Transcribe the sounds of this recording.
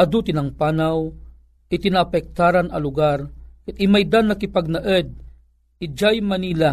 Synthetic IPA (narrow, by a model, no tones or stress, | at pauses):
ɐd̪ut̪ɪnɐŋpaːnaw | ɪt̪ɪnapɛk̚t̪aːɾanɐlʊɡaɾkɨt̪ɪmajd̪anːɐkɪpaɡ̚nɐʔəd̪̚ | ɪd͡ʒajmɐniːla